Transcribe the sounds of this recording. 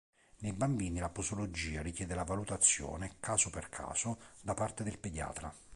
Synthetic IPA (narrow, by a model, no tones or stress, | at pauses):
nejbambiːnilapusolod͡ʒiːaɾikjɛːd̪elavalut̪at̪sːjɔ̰ːnekʰaːsʊperkʰa̰ːsʊd̪apart̪ed̪elped̪ja̰ːt̪ɾa̰